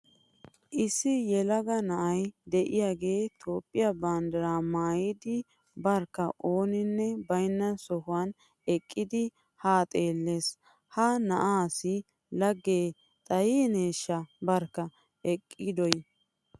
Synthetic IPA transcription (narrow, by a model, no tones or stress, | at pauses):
ʔɪsːɪjɛlɐɡɐnɐʔɐjd̪ɛʔɪjaːɡe̞ːt̪ʰoːpʼːɪjɐbaːnd̪ɐɾaːmaːjɪd̪ɪ | bɐɾkːɐʔoːnɪnːɛbɐjnːɐsɔhʊwɐn | ɛkʼːɪd̪ɪ | haːt̪ʼeːlːe̞ːs | hɐnɐʔaːsɪ | lɐɡːeː | t̪ʼɐjeneːʃːɐbɐɾkːɐ | ɛkʼːɪd̪ɔj